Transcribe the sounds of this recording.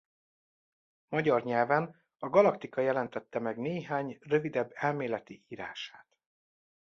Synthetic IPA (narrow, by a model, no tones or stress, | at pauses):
mɒɟɒrɲɛlvɛn | ɒɡɒlɒkt̪ikɒjɛlɛnt̪ɛt̪ːɛmɛɡneːɦaːɲrø̞vid̪ɛbːɛlmeːlɛt̪iʔiːɾaːʃaːt̪